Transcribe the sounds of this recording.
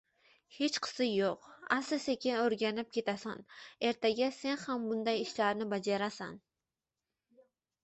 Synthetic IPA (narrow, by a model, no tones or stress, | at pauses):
het͡ʃqʰə̥sɨjoqæsɨsekʲɪnøɾɡʲænɪp̚kʲʰet̪ɛsɑ̰neɾt̪ʰɛɡʲɛsenχæmbund̪ɑjiʃlæɾnɪbɑd͡ʒɑɾɑsɑ̰n